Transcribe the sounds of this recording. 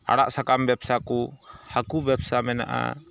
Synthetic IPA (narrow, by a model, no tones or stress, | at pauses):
a̰ɽaʔsakambɛbsakuhakubɛbsamɛna̰ʔa̰